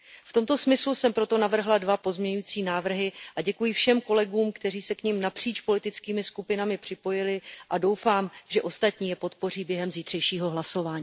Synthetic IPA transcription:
ft̪o̞mt̪o̞smɪslusɛmpɾo̞t̪o̞navr̩ɦladvapo̞zmɲɛɲujit͡siːnaːvr̩ɦɪʔaɟɛkujifʃɛmko̞lɛɡuːmkt̪ɛriːsɛkɲimnapr̝̥iːt͡ʃpo̞lɪt̪ɪt͡skiːmɪskupɪnamɪpr̥ɪpo̞jɪlɪʔado̞wfaːmʒɛʔo̞st̪at̪ɲiːjɛpo̞t̪po̞riːbjɛɦɛmziːt̪r̝̥ɛjʃiːɦo̞ɦlaso̞vaːɲiː

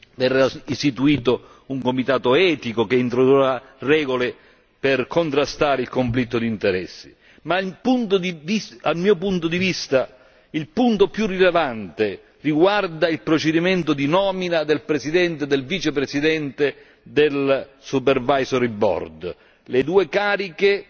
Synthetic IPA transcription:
vɛraist̪it̪uiːt̪o | uŋkomit̪aːt̪oɛːt̪ikokeint̪ɾod̪ura | rɛːɡole | pɪrkʰont̪ɾast̪aːɾɪilkoɱflit̪ːod̪int̪eɾɛsːi̥ | mapunt̪od̪ivialmːiːopunt̪od̪ivist̪a | ilpunt̪opjurːilevant̪e | riɡward̪ailpɾot͡ʃed̪imɛnt̪ʊd̪inɔːminad̪elpɾesid̪ɛnt̪ed̪elviːt͡ʃepɾesid̪ɛnt̪e | d̪elsupervajsoɾibɔ̰rd̪ | led̪uːekaːɾike

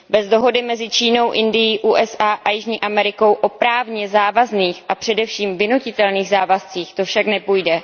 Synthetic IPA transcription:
bɛzdo̞ɦo̞dɪmɛzɪt͡ʃiːno̞wʔɪndɪjiʔuːʔɛsʔaːʔajɪʒɲiːʔamɛɾɪko̞wʔo̞pɾaːvɲɛzaːvazniːxʔapr̥ɛdɛfʃiːmvɪnucɪt̪ɛlniːɣzaːvast͡siːxt̪o̞fʃaknɛpujdɛ

